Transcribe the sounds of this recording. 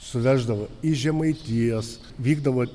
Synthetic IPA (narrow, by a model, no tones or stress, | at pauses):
sʊʋʲæːʒd̪ɐʋɐiʒʲɛmɐɪt̪ʲijɛs | ʋʲiːɡd̪ɐʋo